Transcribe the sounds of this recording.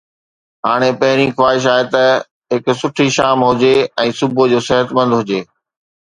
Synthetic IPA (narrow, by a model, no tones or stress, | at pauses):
ɦaːɽ̃epɐɦɪɾ̃ixwaːɦɪʃ̬aːet̪ɐ | ɦɪksʊʈʰiʃaːmɦʊd͡ʑeɛ̃ːsʊbod͡ʑoːsɪɦət̪mɐ̃nd̪ɦʊd͡ʑeː